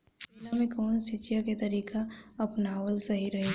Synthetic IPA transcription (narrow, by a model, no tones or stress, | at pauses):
lamẽkɔːnsɪt͡ʃijaket̪ɐɾiːkaɐpnaːwəlsɐɦiɾɐɦe